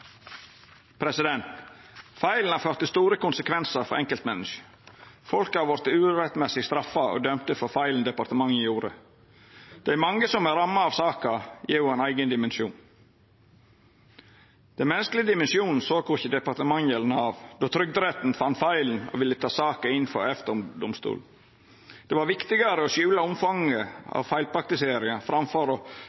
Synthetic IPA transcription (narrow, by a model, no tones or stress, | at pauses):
pʰɾɛsɪd̪ɛnt̪fæɪln̩hɑføːɾt̪əst̪uːɾəkʊnsəkʰʋɛnsəɾfɔ̰ɾɛŋkəlt̪mɛnːəʃə̥ | fɔlkəɑʋɔɾt̪əʉːɾɛt̪mɛsɪst̪ɾɑfɑo̰ːd̪œmt̪əfɔfæɪln̩d̪ɛpɑɾt̪əmɑŋːjuːɾə̰ | d̪̥ɛæmɑŋɡəsɔmæɾɑmːɑɑʋsɑːkɑjɪːɾjʊænæɪɡənd̪ɪmɛnʃuːn | d̪̥ɛnmɛnːəsklɪəd̪ɪmɛnsɪuːnn̩soːkʰʊçəd̪ɛpɑɾt̪əmɑŋjɛlnəɑːʋd̪oːt̪ʰɾʏɡ̚d̪ɾɛt̪n̩fɑnt̪fæɪln̩ɔ̰ʋɪlːət̪ʰɑːsɑːkəɪnːfɔ̰ɾɛft̪əʊmd̪ɔmst̪ṵːl̩ | d̪̥ɛʋɑɾʋɪkt̪ɪɡɑɾəɔsjʉːlɑʊmfɑŋːəɑ̰ʋfæɪlpʰɾɑk̚t̪ɪseːɾɪɑfɾɑmfɔɾɔ